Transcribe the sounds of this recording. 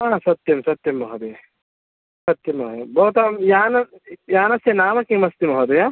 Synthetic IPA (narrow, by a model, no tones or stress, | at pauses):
aːsɐt̪jɐmsɐt̪jɐmːɐɦɐd̪ɐjɐ | sɐt̪jɐmɐɦj̪bɐɦt̪ɐjaːnɐ | jaːnɐsjɐnaːmɐkimɐst̪imɐɦɐd̪ɐja